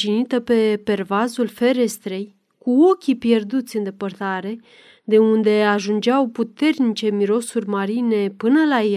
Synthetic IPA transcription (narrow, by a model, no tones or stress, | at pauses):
ʒinit̪əpe̞pe̞rvazulfe̞ɾe̞st̪ɾe̞j | kuo̞kʲipje̞rd̪ut̪sʲɨnd̪e̞pərt̪aɾe̞ | d̪e̞und̪e̞aʒund͡ʒeawput̪e̞rnit͡ʃe̞miɾo̞surʲmaɾine̞pɨnəlaje